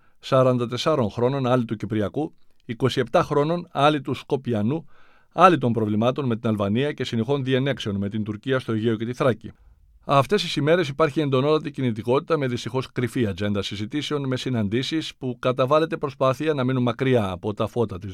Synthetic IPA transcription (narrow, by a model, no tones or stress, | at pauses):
sɐɾɐnd̪ɐt̪e̞sɐɾo̞nxɾo̞no̞nɐlit̪ucipɾiɐkuiko̞sie̞pt̪ɐxɾo̞no̞nɐlit̪usko̞piɐnu | ɐlit̪o̞mpɾo̞vlimɐt̪o̞nme̞t̪inɐlvɐniɐce̞sinexo̞nðie̞ne̞kse̞o̞nme̞t̪ind̪uɾciɐst̪o̞ʝeo̞ce̞t̪iθɾɐcḭ | ɐft̪e̞st̪isime̞ɾe̞sipɐɾçie̞nd̪o̞no̞t̪ɐt̪icinit̪iko̞t̪i̥t̪ɐme̞ðist̪ixo̞skɾifiɐd͡ʒe̞nd̪ɐsizit̪ise̞o̞nme̞sinɐnd̪isispukɐt̪ɐvɐle̞t̪e̞pɾo̞spɐθiɐnɐminunmɐkɾiɐːpo̞t̪ɐfo̞t̪ɐt̪i